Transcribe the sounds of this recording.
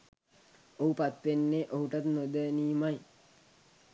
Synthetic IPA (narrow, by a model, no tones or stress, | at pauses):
oɦupat̪ʋenːeʔoɦuʈat̪nod̪əniːmaj